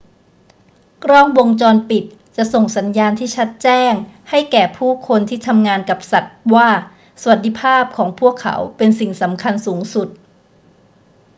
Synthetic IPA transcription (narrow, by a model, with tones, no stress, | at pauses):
kɾɔː˥˩ŋwo˧ŋt͡ɕɔː˧npi˨˩t̪̚ | t͡ɕa˨˩ʔso˨˩ŋsa˩˦njaː˧nt̪ʰiː˥˩t͡ɕʰa˦˥t̪̚t͡ɕɛː˥˩ŋha˥˩jkɛː˨˩pʰuː˥˩kʰo˧nt̪ʰiː˥˩t̪ʰa˧mŋaː˧nka˨˩p̚sa˨˩t̪̚waː˥˩ | sa˧wa˨˩t̪̚d̪i˧˩pʰaː˥˩p̚kʰɔː˩˦ŋpʰu˥˩əkʰːa̰˩˦wpe˧nsi˨˩ŋsa˩˦mkʰa˧nsuː˩˦ŋsu˨˩t̪̚